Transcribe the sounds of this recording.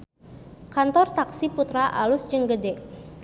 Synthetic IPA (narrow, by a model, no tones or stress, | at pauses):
kant̪ɔrt̪aksiput̪ɾaʔa̰lusd͡ʒɨŋɡədɛʔ